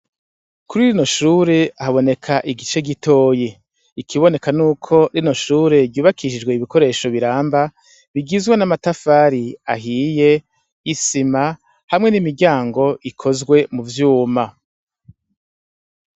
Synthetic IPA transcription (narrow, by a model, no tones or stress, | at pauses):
kuɾiɾino̞ʃuːɾe̞haβo̞ne̞kʰaʔiɡit͡ʃe̞ɡitʰo̞ːje | ikʰiβo̞ne̞kanuːkʰo̞ɾino̞ʃuːɾe̞ɾɟuːβakiʃid͡ʒɡwe̞iβiko̞ɾe̞ːʃo̞βiɾaːmba | βiɡizɡwanamatafaɾia̰ɦije̞ | isima | hamŋe̞nimiɾɟaːŋɡo̞ʔikʰo̞zɡwe̞muvjuːma